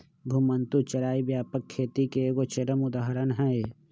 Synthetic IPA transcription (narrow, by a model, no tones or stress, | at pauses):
bʱumənt̪ut͡ʃəɾaːibjaːpəkʰːeːt̪ikeɡot͡ʃeɾəmʊd̪aːɦəɾənɦɛe